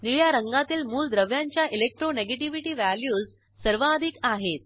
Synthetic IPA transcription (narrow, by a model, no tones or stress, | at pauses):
niɭjaɾəŋɡat̪iːlmuːld̪ɾəʋjaɲt͡ɕjaʔilek̚ʈɾoneɡeʈiʋiʈiːʋæljuːz | səɾʋaːd̪ʱikaɦet̪̚